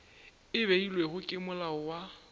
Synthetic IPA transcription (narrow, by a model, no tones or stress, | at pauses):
ɪβeilweɣʊkʼɪmʊlaʊwa